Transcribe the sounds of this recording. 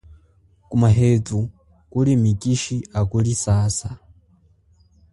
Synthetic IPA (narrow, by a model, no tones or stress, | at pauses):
kumaɦetu | kuɾimikiʃiakuɾisaːsa